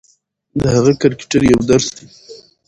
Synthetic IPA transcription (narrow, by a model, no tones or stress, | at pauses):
d̪əhaɣakaɾkɪ̥ʈaɾjawd̪aɾsd̪e